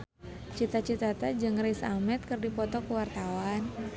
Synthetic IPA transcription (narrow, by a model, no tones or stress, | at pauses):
t͡ʃit̪at͡ʃit̪at̪ad͡ʒɨŋresamɛt̪̚kɨrdipɔt̪ɔkuwart̪awan